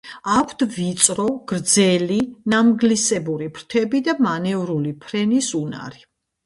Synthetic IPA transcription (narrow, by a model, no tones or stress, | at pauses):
akʰt̪vit̪sʼɾɔɡ̥ɾd̪zɛlinamɡlisɛbuɾipʰɾt̪ʰɛbid̪amanɛvɾulipʰɾɛnisuna̰ɾi